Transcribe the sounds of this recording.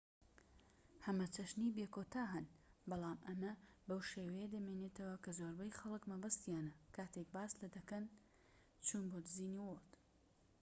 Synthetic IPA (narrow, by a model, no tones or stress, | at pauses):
hɐmɐt͡ʃɐʃniːbeːkot̪ʰaːɦɐnbɑlˠaːmʔɐmɐbɐwʃeːwɐjɐd̪ɐmenet̪ʰɐwɐkɐzoːɾbɐjxɐlˠɨkmɐbɐst̪ijaːnɐkʰaːt̪ʰek̚baːslɐd̪ɐkɐn | t͡ʃʰuːnboːd̪ɨziːniːwot̪